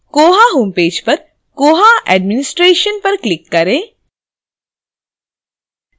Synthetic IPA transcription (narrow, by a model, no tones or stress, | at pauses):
koːɦaɦoːmpeːd͡ʒpɐɾ | koːɦaʔɛːɖmɪnɪsʈɾeːʃənpɐɾklɪkːɐɾẽː